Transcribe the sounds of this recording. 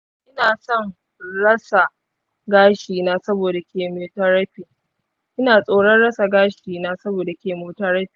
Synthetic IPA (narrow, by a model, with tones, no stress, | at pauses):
ʔɪ˦naː˨sɔ˦˨ŋ | ɽɐ˦sa˨ | ɡaː˦ʃiː˨naː˦sɐ˦boː˨da˨kʲeː˨moː˨tɐ˦ɽɐ˦ɸi˨ | ʔɪ˦naː˨sʼoː˦ɽɐ˦nɽɐ˦sa˨ɡaː˦ʃiː˨naː˦sɐ˦boː˨da˨kʲeː˨moː˨tɐ˦ɾɐ˦ɸi̥˨